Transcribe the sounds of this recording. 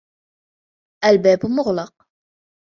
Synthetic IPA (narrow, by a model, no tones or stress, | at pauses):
ʔælbæbmʊʁlɑq